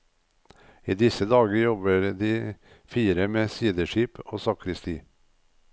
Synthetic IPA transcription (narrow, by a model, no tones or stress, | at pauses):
iːd̪ɪsəd̪ɑːɡəjɔbəɾd̪iː | fiːɾəmeːsiːd̪əʃiːpʰo̰ːsɑːkɾɪst̪iː